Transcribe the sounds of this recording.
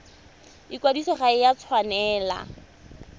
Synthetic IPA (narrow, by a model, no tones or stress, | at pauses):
ɪkwadisɔχaɪjat͡sʰwanɛːla̰